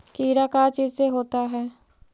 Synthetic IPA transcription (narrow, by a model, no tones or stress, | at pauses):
kiːɾaːkaːt͡ʃiːzseːɦoːt̪aːɦɛː